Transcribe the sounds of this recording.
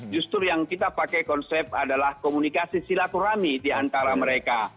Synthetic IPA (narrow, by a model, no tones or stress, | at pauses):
d͡ʒust̪ʊrjaŋkit̪apakɛjkɔnsɛp̪̚adalahkɔmunikasisilat̪uɾamidiant̪aɾaməɾeka